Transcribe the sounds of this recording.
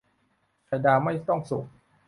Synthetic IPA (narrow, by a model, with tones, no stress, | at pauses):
ka˧jdaː˧ma˥˩jt̪ɔ˥˩ŋsu˨˩k̚